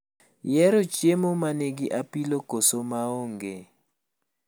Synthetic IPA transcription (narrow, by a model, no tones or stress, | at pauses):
jɛɾot͡ʃemomaneɡɪʔapilokosomaoŋɡe